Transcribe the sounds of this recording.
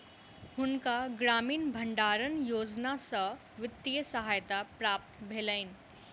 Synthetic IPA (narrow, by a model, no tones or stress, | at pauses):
hunkaɡɾamiːnbʱəɳɖaɾənjoːd͡znasə | ʋɪt̪ːijəsəɦajt̪apɾap̚t̪bʱeləin